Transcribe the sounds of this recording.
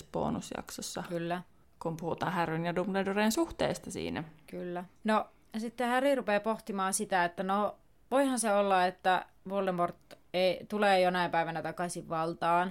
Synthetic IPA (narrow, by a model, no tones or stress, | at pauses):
spo̰ːnusjɑ̰ksosːɑkylːæ | kumpuhut̪ɑːhærʋynjɑdumledoreːnsuht̪ḛːst̪ɑsḭːnæ̰kylːæno | sit̪ːehærirupeːpoht̪imɑːnsit̪æet̪ːæno | ʋoihɑnseolːɑet̪ːæ | ʋoldemort̪ːeit̪uleːjonɑˑipæiʋænæt̪ɑkɑsiʋʋɑlt̪ɑːn